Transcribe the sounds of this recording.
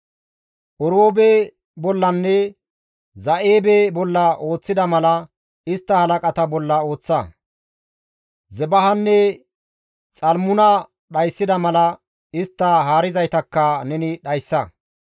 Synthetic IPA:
ʔɔɾoːbe | bɔlːɐnːɛ | zɐʔeːbebɔlːɐʔo̞ːt͡sːɪd̪ɐmɐlɐ | ɪst̪ːɐhɐlɐkʼɐt̪ɐbɔlːɐo̞ːt͡sːɐ | zɛbɐɦɐnːɛ | t͡sʼɐlmʊnɐ | ɗɐjsːɪd̪ɐmɐlɐ | ɪst̪ːɐɦaːɾɪzɐjt̪ɐkːɐnɛnɪɗɐjsːɐ

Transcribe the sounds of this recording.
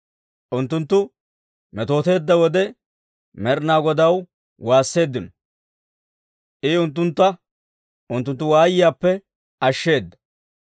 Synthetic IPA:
ʔʊnt̪ːʊnt̪ːʊ | mɛt̪o̞ːt̪e̞ːd̪ːɐwɔd̪ɛ | mɛɾnaːɡɔd̪ɐw | waːsːe̞ːd̪ːɪnɔ | ʔɪʊnt̪̬ːʊnt̪ːɐ | ʊnt̪ːʊnt̪ːʊwaːjɪjaːpːɛ | ɐʃːe̞ːd̪ːɐ̥

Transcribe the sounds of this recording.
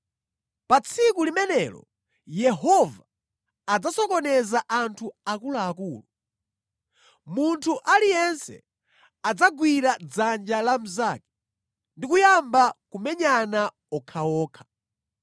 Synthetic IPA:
pat͡sʰikulimɛnɛlɔ̰ | jɛhɔvaː | d͡zasɔkɔnɛzaʔantʰuakulaːkuːlu | muntʰuʔalijɛnsɛ̰ | ad͡zaɡwiɾad͡zand͡ʒalam̩zaːkɛ̥ | ndikujambakumɛɲana | ɔkʰaɔːkʰḁ

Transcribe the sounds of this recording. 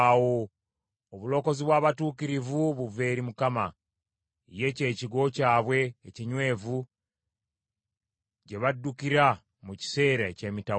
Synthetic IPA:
wo | oβulo̞ːko̞ziβwaːβatuːkiɾivuβuve̞ːɾimukama | je̞ce̞ːciɡo̞caːβwe̞ːciɲwe̞ːvu | ɟe̞βadːukiɾa | muci̥se̞ːɾaeceːmita

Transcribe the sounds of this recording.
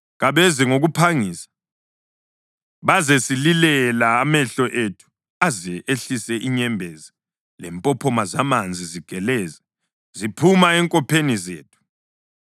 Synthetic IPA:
ɣaβɛziŋoɣupʰaŋiːsḁ | βazesililɛlaːmɛɬɔʔetʰu̥ | azɛʔeɬisɛʔiɲɛmbʱɛzi | lɛmpʼɔpʰɔmazamand͡zʱiziɡ̥ʱɛlɛːza | zipʰumaɛŋkʼɔpʰenizḛːtʰu̥

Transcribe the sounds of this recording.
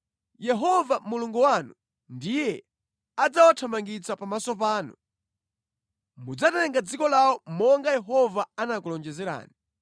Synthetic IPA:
jɛɦɔvamuluŋɡuwanu | ndijɛ | ad͡zawatʰamaŋɡit͡sapamasɔp̬aːnṵ | mud͡zatɛŋɡad͡zikɔlawɔmɔŋɡajɛɦɔvaanak̬ulɔnd͡ʒɛzɛɾa̰ːni

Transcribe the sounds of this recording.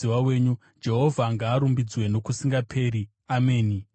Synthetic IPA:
iwawe̞ːɲu | d͡ʒe̞ɦo̞vʱaŋɡaːɾumbid͡zwe̞no̞kusiŋɡapʰe̞ːɾi | ame̞ːni

